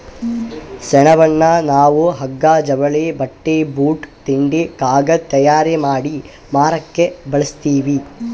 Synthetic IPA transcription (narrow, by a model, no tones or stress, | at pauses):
sɛnɐʋɐnːɐnaːʋuɦɐɡːaːd͡ʒɐʋɐɭeːbɐʈːeːbuːʈt̪iɳɖikaːɡɐt̪ɐjaːɾemaːɽi | maːɾɐkːebɐɭɐst̪iːʋi